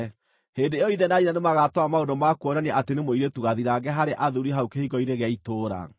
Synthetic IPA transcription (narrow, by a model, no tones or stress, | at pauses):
hedeeɔiðɛnaiɾanemaɣatɔamaodomakuɔnanɛʔatenemoiɾetuɣaðiɾaɡɛɦaɾeʔaðuɾiɦaukehiɣɔiɾeɣɛitoːɾa̰